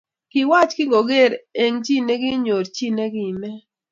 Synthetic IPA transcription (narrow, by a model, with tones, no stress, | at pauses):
kɪ˨wa˦t͡ʃkɪ˦ŋɡo˨ɡe˦˨ɾe˨ŋt͡ʃi˦ne˦ɡi˦ɲo˨ɾt͡ʃi˦ne˦ɡi˦˨mɛ˦